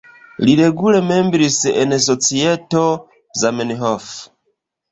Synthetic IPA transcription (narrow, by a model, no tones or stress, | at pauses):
liɾeɡulemembɾisḛnas̬ot͡sieto | zamenɦof